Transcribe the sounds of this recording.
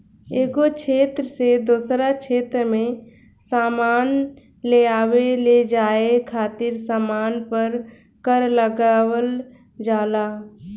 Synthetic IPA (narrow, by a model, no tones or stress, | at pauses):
eːkokt͡ʃʰeːt̪ɾəsed̪oːsɾakʰeːt̪ɾmẽ | saːmaːn | leaːweled͡ʒaːekʰaːt̪ɪɾsaːmaːnpəɾ | kəɾləɡawəl | d͡ʒaːlaː